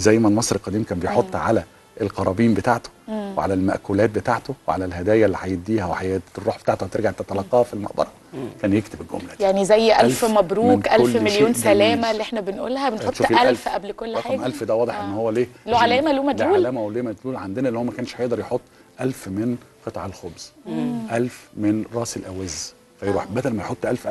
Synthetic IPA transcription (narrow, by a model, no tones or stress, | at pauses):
zæjːmælmɑsˤɾelqɑd̪iːmkæːmbejħot̪ˤːʕa̰læ | elqɑɾˤɑbiːmbet̪aʕt̪o̥weʕa̰lælmæ̰ʔkolæːt̪̚bet̪aʕt̪oweʕalælɦæd̪æːjælːiħajebd̪iːhæweħajrˤːuːħb̥et̪aʕt̪ohæt̪eɾɡaʕt̪æt̪ælɑqːɑhfilmɑ̰ʔbɑ̰ɾˤɑ | kæːnjekt̪ebelɡo̰mlæjjaʕnizæjːʔælfmæbɾuːnkʔæolːmeljoːnsælæːmælːiʔeħnæbenʔṵːlːhæbenħotʃˤʔælfʔæblkolːħanʔælfd̪æwɑːd̪ˤeħʔenːhowːæleːloʕalæːmæluːmæt̪lʕuːllæːmæweleːmæd̪luːlʕand̪enæʔenːhoːæmækæːnʃhæjeʔd̪ɑɾjeħot̪ˤː | ʔælfmenqet̪ˤʕelxobz̥ʔælfmenɾˤɑːselʔæwæzː | fæjɾuːħbæd̪ælmæjħot̪ˤːʔælfʔæ